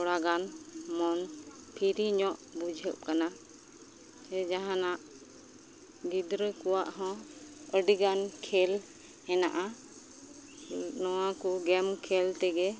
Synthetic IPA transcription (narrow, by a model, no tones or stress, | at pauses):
ɔɽaɡanmɔnpʰiɾiɲɔʔbud͡ʒʱɛp̚kana | ɛd͡ʒaɦãnaʔ | ɡid̪ɾəkɔwaʔɦɔ̃əɖiɡankʰɛl | ɛna̰ʔa | nɔwakuɡɛmkʰɛlt̪ɛɡɛ